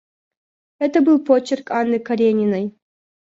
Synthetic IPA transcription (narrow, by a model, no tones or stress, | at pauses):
ɛt̪əbɨlˠpʰot͡ʃːerkanːɨkɐɾʲenʲinɐj